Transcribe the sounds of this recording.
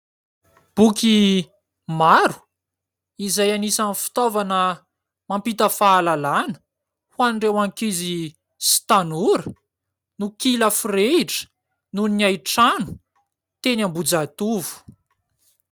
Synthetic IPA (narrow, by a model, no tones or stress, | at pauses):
b̥uki | maɾu̥ | izajanisanfi̥t̪ovanə | mampit̪əfaːlalanə̥ | huanɳɖ͡ʐewaŋkizi | si̥t̪anuɾə | nukiləfreiʈ͡ʂə̥ | nunniajʈ͡ʂanu̥ | t̪enambud͡zat̪uvu̥